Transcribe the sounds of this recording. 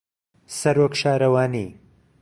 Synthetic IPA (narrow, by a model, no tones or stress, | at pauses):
sɐɾokʃaːɾɐwaːnḭ